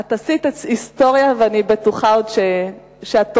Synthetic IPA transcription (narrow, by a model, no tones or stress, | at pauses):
atasit̪et͡sist̪o̞ʁjaveanibetuχaodʃe | ʃeat̪